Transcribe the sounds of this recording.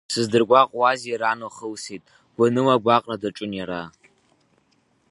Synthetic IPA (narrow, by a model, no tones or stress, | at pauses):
sɨzdɨrɡʷaqʼwazaɾanoχəwsitʼ | ɡ̥ʷanɨmaɡʷaqʼradaʈ͡ʂʼʊnjaɾa